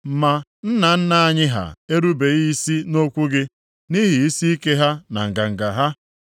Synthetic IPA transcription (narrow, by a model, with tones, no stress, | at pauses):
m̩˨ma˨n̩˦na˨n̩˦na˨a˦ɲɪ˦ɦa̰˨e˦ɾu˦be˨i˦si˦no˦kʷu˦ɡɪ˦ | ni˦ɦi˨i˦si˦i˦ke˦ɦa˦na̰˨ŋ̩˨ɡa˨ŋ̩˨ɡa˨ɦa˦